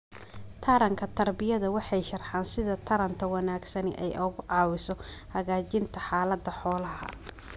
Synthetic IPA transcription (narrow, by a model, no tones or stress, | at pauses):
t̪ʰɐɾɐŋkʰɐt̪ʰɐrbɪjɐðɐwɑħɑjʃɐrħɑːnsɪðɐt̪ʰɐɾɐnt̪ʰɐwɑnaːɡsɐnɪʔɛjʔɔɣʊʕɑːwɪsɔhɐɣaːt͡ʃɪnt̪ʰɐħɑːlɐd̪ɐħɔːlɐhɐ̰